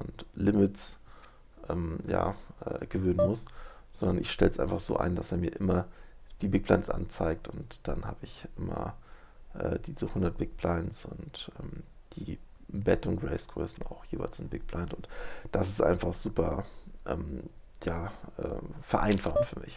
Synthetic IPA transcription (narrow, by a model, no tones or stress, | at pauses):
ʔʊntlɪmɪts | ʔɛːmja̰ːʔɛːɡ̥əvøːnənmʊsz̥ɔndɐnʔɪçʃtɛlsʔa̰ɪnfaχz̥o̰ːʔa̰ɪndaseːɐmiːɐʔɪmɐd̥iːbɪk̚blaɪnsʔa̰nt͡saɪk̚tʊntd̥anha̰ːbəɪçʔɪmɐ̰ʔɛ̰ːd̥iːzuhʊndɐt̚b̥ɪk̚b̥laɪnsʊntʔɛːm | d̥iː | bɛtʊnɡʁɛɪsɡ̥ʁø̰ːsn̩a̰ʊxjeːvaɪlsɪnbɪk̚b̥laɪntʊntd̥asɪstʔa̰ɪnfaχz̥uːpɐʔɛːm | jaːʔɛ̰ːfɛɐʔaɪnfaχntfyːɐmʔɪç